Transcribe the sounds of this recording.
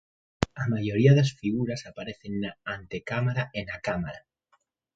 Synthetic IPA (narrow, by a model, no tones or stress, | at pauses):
amaʝo̞ɾiaðeasfiɣuɾasapaɾe̞θenːaːnt̪e̞kamaɾaʔenakamaɾa